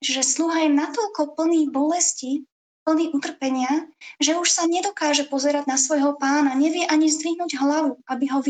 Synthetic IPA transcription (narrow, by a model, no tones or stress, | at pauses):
ʒɛsluɦajɛnat̪ɔʎkɔpl̩niːbɔlɛsci | pl̩niːʔut̪r̩pɛɲɪaʒɛuʃsaɲɛd̪ɔkaːʒɛpɔzɛɾaɟnasʋɔjɦɔpaːnaɲɛʋɪɛʔaɲizd̪ʋiɦnuːɟɦlaʋuabiɦɔʋ